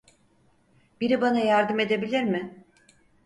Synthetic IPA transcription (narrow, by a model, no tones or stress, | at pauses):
biɾibanajaɾd̪ɯme̞d̪e̞bilʲiɾmɪ